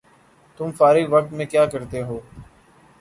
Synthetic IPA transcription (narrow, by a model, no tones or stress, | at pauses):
t̪ʊmfaːɾiɡʋək̚t̪mẽːkjaːkəɾt̪eɦoː